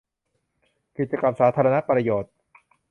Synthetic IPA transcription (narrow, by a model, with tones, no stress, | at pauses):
ki˨˩t̪̚t͡ɕa˧ka˧˩msaː˩˦t̪ʰaː˧ɾa˧na˦˥pɾa˧joː˨˩t̪̚